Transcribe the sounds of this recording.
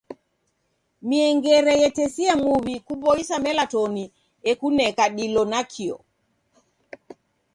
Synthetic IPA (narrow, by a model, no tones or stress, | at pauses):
miɛŋɡɛɾɛjɛtɛsiamuβikuɓɔisamɛlatɔni | ɛkunɛkaɗilɔnakʰiɔ̰